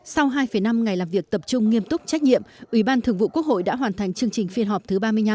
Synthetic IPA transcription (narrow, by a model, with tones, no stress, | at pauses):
sa˧wɦaː˧jfəː˨˩jna˧mŋa˨˩jlaː˨˩mvi˨˩ək̚t̪ə˨˩p̚t͡ɕʊ˧ŋ͡mŋi˧əmt̪ʊ˦˥k͡p̚t͡ɕɛ˦˥k̚ɲḭ˧˨əmʔwi˧˩ɓaː˧nt̪ʰɨ˨˩əŋvṵ˧˨ku˦˥ək̚ho̰˧˨jɗa̰ː˧˥ɦwaː˨˩nt̪ʰa˨˩jŋ̟t͡ɕɨ˧əŋt͡ɕï˨˩ŋ̟fi˧ənɦɔ˨˩p̚t̪ʰɨ˨˦ɓaː˧mɨ˧əjɲa˧